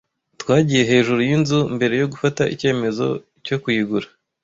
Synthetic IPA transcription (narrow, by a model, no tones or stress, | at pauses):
twaːɟije̞ɦe̞ːʒuɾujinzumbe̞ɾe̞jo̞ɡufataʔḭce̞ːme̞zo̞̰ | co̞kuiɡuɾa